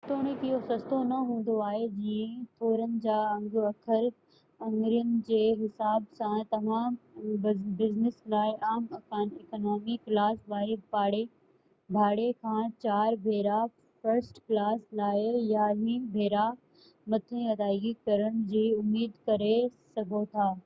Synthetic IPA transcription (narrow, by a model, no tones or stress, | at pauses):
t̪oːɽ̃ẽkɪɦosɐst̪ʰonɐɦũːn̆d̪oaːɦed͡ʑiːẽt̪ʰoːɾənɪ̆d͡ʑaːɐ̃ŋɡɐkʰəɾ | ɐ̃ŋɡɾijənɪ̆d͡ʑeːɦɪsaːbsãt̪ɐmãːm | bɪznɪslaːɪaːmɐkaːnekːnɔːmiklaːsʋaːɾibaːɽe | bʱaːɽekʰãːt͡ɕaːɾbʱeːɾa | fɐɾsʈklaːslaːɪjaɦibʱeːɾa | mɐt̪ʰẽɐd̪aːɡikɐɾəɽ̃d͡ʑiːʊmːiːd̪kɐɾesɐɡʱot̪ʰaː